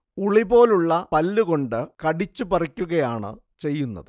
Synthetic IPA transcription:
uɭibo̞ːluɭːɐpɐlːuɣo̞ɳɖɨkɐɽit͡ɕːupɐrikʲːuɣɐjaːɳɨ̰ | t͡ɕe̞jːunːɐ̰ðɨ

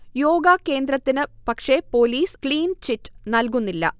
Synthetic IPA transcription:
jo̞ːɡakːe̞ːnd̪ɾɐt̪ːinɨpɐkʂe̞po̞ːliːskliːnt͡ɕitːɨ̥nɐlk̬unːilːɐ̰

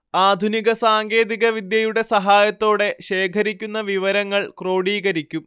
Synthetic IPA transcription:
aːd̪ʱuniɣɐsaːŋɡe̞ːðiɣɐʋid̪jɐjuɽe̞sɐɦaːjɐt̪ːo̞ːɽe̞ɕe̞ːkʰɐɾikʲːunːɐʋiʋɐɾɐŋːɐɭkro̞ːɽiːɣɐɾikʲːum

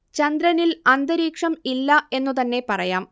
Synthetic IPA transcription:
t͡ɕɐnd̪ɾɐnilɐnd̪ɐɾiːkʂɐmilːɐe̞nːut̪ɐnːe̞pɐrɐjaːm

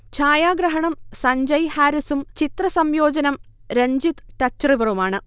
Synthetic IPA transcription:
t͡ɕʰaːjaːɡɾɐɦɐɳɐmsɐɲd͡ʑɐjhaːɾisumt͡ɕit̪rɐsɐmjoːd͡ʑɐnɐmɾeɲd͡ʑit̪ʈɐt͡ɕːɐriʋɐrumaːɳɨ

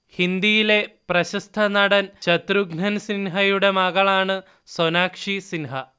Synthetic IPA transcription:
hind̪ijile̞prɐɕɐst̪ʰɐnɐɽɐnt͡ɕɐt̪ɾuɡɳɐnsinɦɐjuɽe̞mɐɣɐɭaːɳɨ | sonaːkʂisinɦɐ

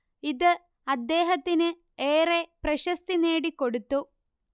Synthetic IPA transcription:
iðɨ | ɐd̪ːe̞ːɦɐt̪ːinɨ | eːreprɐɕɐst̪ine̞ːɽikːo̞ɽut̪ːu

